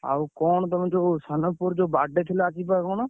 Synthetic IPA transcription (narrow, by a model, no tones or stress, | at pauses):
a̰ːukɔːɳt̪əm̃d͡ʒoːsənəpʊɾd͡ʒoːbaːɖet̪ʰɪlaːt͡ʃiːpakoːn